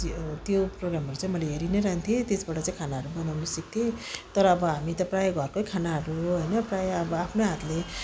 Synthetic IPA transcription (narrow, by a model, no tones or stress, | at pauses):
t̪joproɡramɦʌɾut͡sãĩmʌleɦeɾinʌɾaɦnt̪ʰjot̪esbaʈʌt͡sãĩkʰanaɦʌɾubʌnawnʌsʌk̚t̪ʰot̪ʌɾʌːbʌɦamit̪ʌprajʌɡʱʌrkojkʰanaɦʌɾuɦʌjnʌprajʌʌbʌapʰnoɦat̪le